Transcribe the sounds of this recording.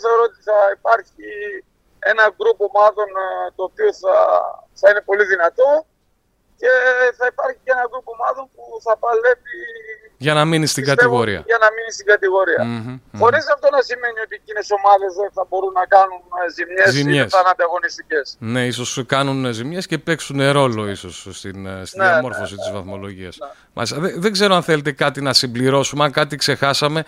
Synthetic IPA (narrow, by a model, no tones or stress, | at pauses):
oθeoɾoot̪iθɐipɐɾçi | e̞nɐɡɾupomɐðo̞nt̪o̞ːpioθɐθɐine̞po̞liðinɐt̪o̞ | ce̞θɐipɐɾçiceenɐɡɾupomɐðo̞npuθɐpɐle̞vi | ʝɐnɐminist̪iiɡɐt̪evoɾḭɐ̰ʝɐnɐminist̪iŋɡɐt̪iɣo̞ɾiɐ̰xo̞ɾizɐft̪o̞nɐsime̞nio̞t̪iecine̞so̞mɐðe̞zeθɐbo̞ɾunːɐkɐnunzimɲeszimmɲesɐnɐnd̪ɐɣo̞nist̪ice̞sne̞iso̞skɐnunzimɲe̞sce̞pe̞ksuneɾo̞lo̞iso̞sːt̪inst̪inemo̞ɾffo̞sit̪izvɐθmo̞lo̞ʝiɐs | mʔɐ̰list̪ɐðeðe̞ɡze̞ɾoɐnθe̞let̪e̞kɐt̪inɐsimbliɾo̞sumeɐŋkɐt̪ikse̞xɐsɐme̞